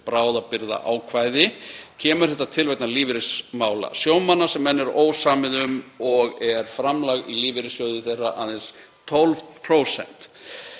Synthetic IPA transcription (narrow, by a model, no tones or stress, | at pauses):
pɾaːwðapɪɾða̰ʔa̰ːwkʰvajðɪcʰɛːmʏɾ̥θɛht̪ːat̪ʰɪlvɛkt̪naliːvɾɪsmaːwla̰sjoːwmanːḁsɛmːɛnːɛɾoːwsaːmɪðʏmɔɣɛɾ̥fɾamlaɣiliːvɪɾɪsjowðʏθejraʔaðɛns | t̪ʰɔlvpʰɾowsɛ̰n̥t̪